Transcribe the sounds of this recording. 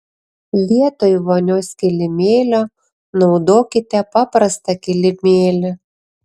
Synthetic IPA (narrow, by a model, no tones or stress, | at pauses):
lʲiɛt̪oiʋonʲoːskʲɪlʲɪmʲeːlʲo | nɒʊd̪oːkʲɪt̪ʲɛpɑpɾɐst̪ɐkʲɪlʲɪmʲeːlʲɛ